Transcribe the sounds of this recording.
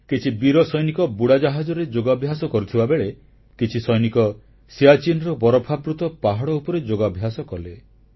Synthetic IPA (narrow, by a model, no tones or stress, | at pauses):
kit͡ʃʰibiɾɔsɔjnikɔbuɽad͡ʒaɦad͡ʒɔɾed͡ʒoɡabʱjasɔkɔɾut̪ʰibabeɭe | kit͡ʃʰisɔjnikɔ | siat͡ʃinɾɔbɔɾɔpʰabɾut̪ɔpaɦaɽɔupɔɾed͡ʒoɡabʱjasɔkɔle